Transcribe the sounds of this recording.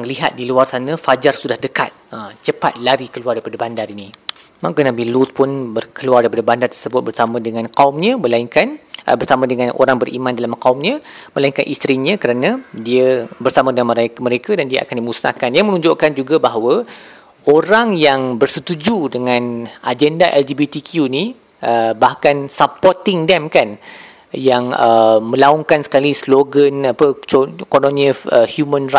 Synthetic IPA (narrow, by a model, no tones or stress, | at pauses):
aŋliɦa̰t̪̚diluarsanə̃fad͡ʒarsudahdəka̰t̪̚əmt͡ʃəpat̪̚laɾikəluardajpadəbandarini | mãkənabilut̪̚pʊnbərkəluardajpadəbandart̪ərsəbʊt̪̚bərsamãdəŋãnkaumɲə̃mə̃laiŋkanbərsamãdəŋãnʔo̰ɾaŋbərʔḭmãndalamkaumɲə̃məlaiŋkanʔist̪ɾiɲə̃kəɾanãdiəbərsamãdəŋanmɾmə̃ɾekadandiəʔa̰kandimusna̰kanjaŋmənũɲd͡ʒoʔkand͡ʒuɡabaɦawə | oɾaŋjaŋbərsət̪ud͡ʒudəŋãnʔad͡ʒɛndaʔɛld͡ʒibit̪ikʰjuni | ʔəbahkansapɔrt̪iŋdɛmkan | jaŋəmə̃laɔŋkansə̥kalisloɡənapəkononĩɔfəhjumə̃nra